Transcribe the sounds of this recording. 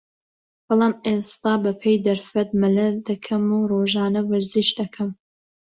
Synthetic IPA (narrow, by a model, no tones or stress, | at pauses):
b̥ɑlˠɑːmʔest̪aːbɐpʰejd̪ɐɾfɐt̪̚mɐlɐd̪ɐkʰɐmuːroːʒɑːnɐwɐɾziʃd̪ɐkʰɐm